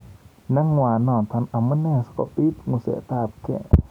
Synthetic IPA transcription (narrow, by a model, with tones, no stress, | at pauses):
na˧˥ŋwaː˧˨nɔː˧˩nt̪ʰa˧na˨ma˦nɛ˧˨skɔ̰˨pi˦t̪̚ŋu˧˨sḛ˨t̪aː˧˨p̚kʰɛ̰˧˨